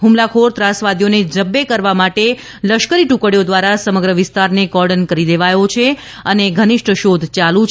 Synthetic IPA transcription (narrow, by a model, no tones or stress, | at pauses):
ɦumlakʰoɾt̪ɾasʋad̪ijoned͡ʒəbːekəɾʋamaʈe | ləʃkəɾiʈukəɽjod̪ʋaɾasəməɡɾəʋɪst̪aɾneɡɔɾɖənkəɾid̪eʋajot͡ʃʰe | əneɡʱənɪʃʈʰəʃod̪ʱt͡ʃalũt͡ʃ